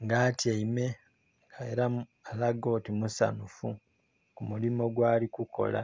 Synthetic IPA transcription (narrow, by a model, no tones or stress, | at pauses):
ŋɡaːtjeime̞ | ɡaeɾa | alaɡoːtimusa̰nufu | kumulimo̞ɡwaːlikuko̞̰la̰